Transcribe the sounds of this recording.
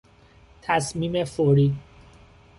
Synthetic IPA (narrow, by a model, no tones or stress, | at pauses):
t̪ʰæsmiːmefoɾiː